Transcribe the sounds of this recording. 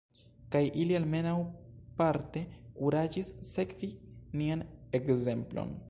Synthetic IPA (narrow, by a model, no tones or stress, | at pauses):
kajʔilialme̞nawpaɾte̞kuɾad͡ʒisːe̞kvinianekze̞mplo̰n